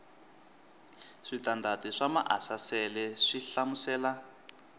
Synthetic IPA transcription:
ʂitandatiʂama̰ʔasasɛlɛʂiɬamusɛːla

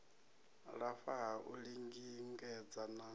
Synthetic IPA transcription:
ɺafaɦaʔuɺiŋɡiŋɡɛd͡zana

